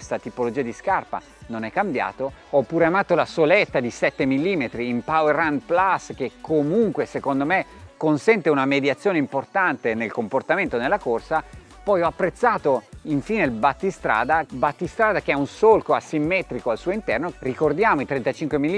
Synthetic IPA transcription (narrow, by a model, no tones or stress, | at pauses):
st̪at̪ipolod͡ʒiːad̪iskarpa̰ | nonɛkːambja̰ːt̪oɔpːuːɾeamaːt̪olasolɛt̪ːad̪isɛt̪ːemilːiːmet̪ɾiːmpawerand̪plask̟ekʰːomuŋkwesekond̪omekonsɛnt̪eunamed̪jat̪sːjoːneimport̪ant̪enelkomport̪ament̪onelːakorsa | pɔjɔapːɾet̪sːaːt̪oiɱfiːnelbat̪ːist̪ɾa̰ːd̪abat̪ːist̪ɾaːd̪akeɛunsolkoasimːɛːt̪ɾikoalsuːoint̪ɛrnorikord̪jaːmoit̪ɾɛnt̪at͡ʃiŋkwemilːi